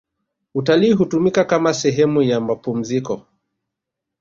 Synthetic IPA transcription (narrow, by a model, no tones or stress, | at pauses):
utaliːɦutumikakamasɛɦɛmujamapum̩zikɔ